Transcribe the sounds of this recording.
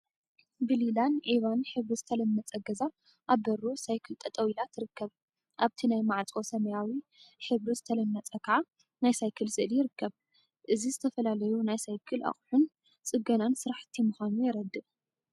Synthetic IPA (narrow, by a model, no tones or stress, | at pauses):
bɨlilanʕiβanħɨβɾizɨt̪ʰɐlɐmːɐt͡sʼɐɡɐza | ʔaβbɐɾosajkʰɨlt̪ʼɐt̪ʼɐwilat̪ʰːɨɾɨkːɐβ | ʔaβt̪ʰinajmaʕt͡sʼo̞sɐmɐjawiħɨβɾizɨt̪ʰɐlɐmːɐt͡sʼɐkʰɐʕa | najsajkʰɨlzɨʔɨljɪɾɨkːɐβ | ʔɨzizɨt̪ʰɐfɐlalɐjunajsajkʰɨlʔɐ̰χʼħun | t͡sʼɨɡɐnansɨɾaħt̪ʰimuxanujɛɾɐd̪ːɨʔ